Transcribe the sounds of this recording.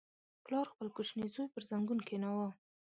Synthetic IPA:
plɑɾxpəlkuʃnizojpəɾzaŋɡunkenawa

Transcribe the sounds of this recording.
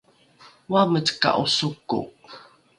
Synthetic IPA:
wamət͡ska̰ʔusukʊ̰ʔ

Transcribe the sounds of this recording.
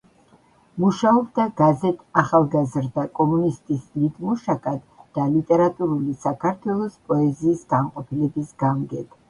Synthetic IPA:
muʃaɔbd̪aɡazɛt̪ʰʼaχalˠɡazɾd̪akʼɔmunist̪ʼislid̪muʃakʼad̪d̪̥alit̪ʼɛɾat̪ʼuɾulisakʰaɾt̪ʰwɛlˠɔspʼɔɛziːsɡanqʼɔpʰilɛbisɡamɡɛd̪

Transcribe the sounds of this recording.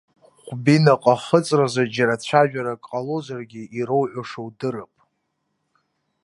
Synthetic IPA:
χʷbinaqʼaχət͡sʼrazad͡ʒaɾat͡ɕʷʰaʒᶣaɾakʼqʼalozarɡʲiiɾowʕʷaʂowdɨrɨpʼ

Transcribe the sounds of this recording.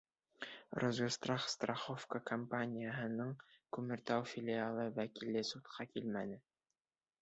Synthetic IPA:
rozɡost̪raχst̪raχofkəkɐmpanʲɪjəɦɤ̆nɤɴkʉmɘ̆ɾt̪æwfʲɪlʲɪalˠɤwækilːɘsut̪qʰɑkilmænɘ

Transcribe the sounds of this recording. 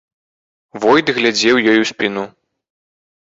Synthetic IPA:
vɔjd̪ɣlʲad͡zʲɛwjɔjusʲpʲinu

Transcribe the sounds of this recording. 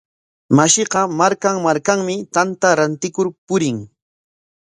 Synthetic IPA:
maʃɪqɑmaɾkaŋmaɾkaŋmɪt̪ant̪aɾant̪ɪkʊɾpʊɾɪŋ

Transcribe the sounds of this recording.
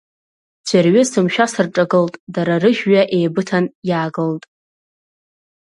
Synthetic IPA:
d͡ʒʰʷarɥɪsɨmʃᶣasɨrʈ͡ʂʼaɡɨltʼdaɾarɨʒᶣɥaʔejbɨtʰanjaːɡɨltʼ

